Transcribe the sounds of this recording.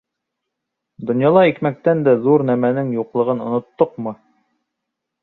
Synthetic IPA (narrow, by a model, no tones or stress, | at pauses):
d̪ŏnjɑlˠɑikmæk̚t̪ænd̪æðuɾnæmænɘŋjuqlˠɤ̆ʁɤnŏnŏt̪ːoqmɤ